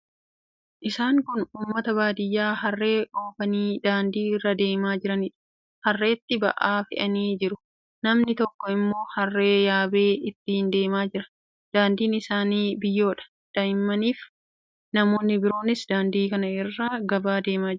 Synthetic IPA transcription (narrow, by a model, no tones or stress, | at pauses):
ʔɪsaːŋkʊnuːmːɐt̪ɐbaːd̪ɪjːaːɦɐrːe̞ːʔo̞ːfɐniːd̪aːnd̪iːɪrːɐd̪e̞ːmaːd͡ʒɪɾɐnɪᶑɐ̥ | hɐrːe̞ːt̪ːɪbɐ̰ʔaːfɪ̰ʔɐniːd͡ʒɪɾʊ | nɐmnɪt̪ɔkːɔɪmːo̞ːhɐrːe̞ːjaːbe̞ːɪt̪ːɪhɪnd̪e̞ːmaːd͡ʒɪɾɐ̥ | d̪̥aːnd̪iːnɪsaːniːbɪjːo̞ːᶑɐ̥ | d̪̥ɐjɪmːɐniːf | nɐmo̞ːnːɪbɪɾo̞ːnɪsd̪aːnd̪iːkɐnɐɪrːaːɡɐbaːd̪e̞ːmaː